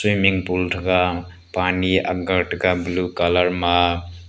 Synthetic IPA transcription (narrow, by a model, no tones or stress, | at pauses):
simiŋpulʈʰɡa | pania̰b̚ɡəʈkablukaləɾma